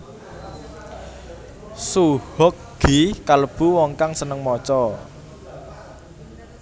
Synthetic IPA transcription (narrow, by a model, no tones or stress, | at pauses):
suhɔk̚ | ɡ̥ikaləb̥ṳwɔŋkaŋsənəŋmɔt͡ʃɔ